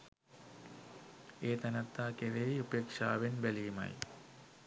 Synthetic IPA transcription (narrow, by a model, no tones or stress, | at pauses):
eːt̪ɐnɐt̪ːaːkeʋejupjekʂaːʋenbelijmɐ̰j